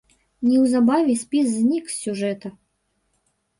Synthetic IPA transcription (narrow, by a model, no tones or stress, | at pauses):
nʲiwzabavʲisʲpʲiszʲnʲiksʲsʲuʐɛt̪ɐ